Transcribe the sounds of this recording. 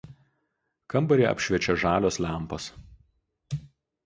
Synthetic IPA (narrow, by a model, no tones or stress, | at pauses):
kɐmbɐɾʲeːɐ̰pʲʃʲʋʲɛt͡ʃʲɛʒɑːlʲoːslʲæˑmˑpos